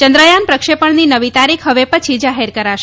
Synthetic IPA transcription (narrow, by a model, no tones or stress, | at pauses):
t͡ʃənd̪ɾəjanpɾəkʃepəɳninəʋit̪aɾikʰɦəʋepət͡ʃʰid͡ʒaɦeɾkəɾaʃe